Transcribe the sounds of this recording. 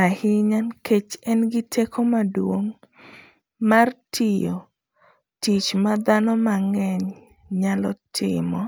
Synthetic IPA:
ahɪɲankʰet͡ʃɛnɡɪtʰekʰomadwoŋ | martʰijo̰ | tit͡ʃmad̪anɔmaŋɛɲ | ɲalɔtʰɪ̰mɔ

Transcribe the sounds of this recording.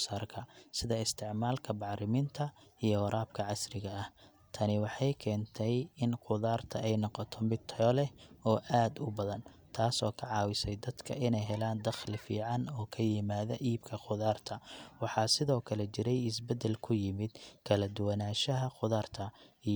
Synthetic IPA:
saːrkʰɐsɪðɐɪst̪ʰɪʕmaːlkʰɐbɑʕɾɪmɪnt̪ʰɐijɔwɐɾʔaːb̚kʰɐʕɑsrɪɣɐɐh | t̪ʰɐnɪwɑħɑjkʰɛːnt̪ʰɛjɪnqʊðaːrt̪ʰɐɛjnɔqɔt̪ʰɔmɪt̪ʰːlɛɔːʔaːd̪ʊbɐðɐn | t̪ʰaːsɔːkʰɐʕɑːwɪsɛjd̪ɐd̪kʰɐ̰ʔɪnɛjɦɛlaːnd̪ɐχlɪfḭːʕɑnɔːkʰɐjɪmaːðɐʔiːbkʰɐqʊðaːrt̪ʰɐwɑħɑːsɪðɔːkʰɐlɛt͡ʃɪɾɛjɪsbɛd̪ɛlkʰʊjɪmɪd̪kʰɐlɐd̪ʊwɐnaːʃɐɦɐqʊðaːrt̪ʰɐi

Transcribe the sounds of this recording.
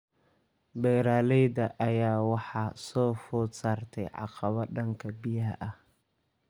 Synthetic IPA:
bɛːɾaːlɛjdɐʔɐjaːwɑħɑːsɔːfuːsaːrt̪ʰɛjʕɑ̰qɑβɐɖɐŋkʰɐbɪjɐɦʔɐ

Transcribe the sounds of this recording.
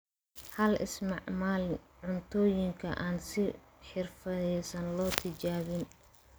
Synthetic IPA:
hɐlɪ̰smɑʕmaːlʕʊnt̪ʰɔːjɪŋkʰɐʔaːnsɪ | ħɪrfɐðɛsɐnlɔːt̪ʰɪt͡ʃaːβɪn

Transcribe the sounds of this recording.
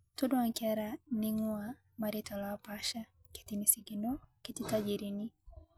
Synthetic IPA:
tudɔaŋkɛɾaniŋua | maɾitɔlapaʃa | kɛ̥tinisiɡinɔkititad͡ʒiɾini

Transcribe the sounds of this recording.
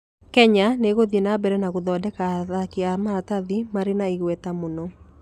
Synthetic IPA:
kɛɲaneɣoðienabɛɾɛnaɣoðɔdɛkaðakiamaːtaðimaɾenaiɣwɛtamonɔ

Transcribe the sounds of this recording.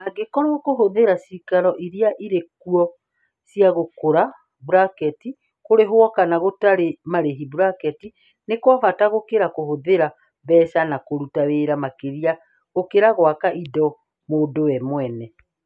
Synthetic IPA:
aɡekɔɾwɔkoɦoðeɾasikaɾɔʔiɾiaʔiɾekuɔ | siaɣokoɾa | buɾakɛti | koɾeɦwɔkanaɣotaɾemaɾeɦibuɾakɛti | nekwaβataɣokeɾakohoðeɾa | βɛsanakoɾutaweɾamakeɾia | ɣokeɾaɣwakaʔidɔ | moːndowɛmwɛnɛ

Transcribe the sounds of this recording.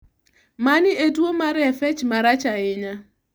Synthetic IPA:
manɪeduomaɾɪefet͡ʃmaɾat͡ʃaɪɲa

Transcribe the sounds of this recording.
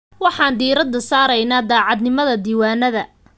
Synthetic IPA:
wɑħɑːnd̪iːɾɐd̪ɐsaːɾɐjnaːd̪aːʕɑd̪nɪmɐðɐd̪iːwaːnɐðɐ

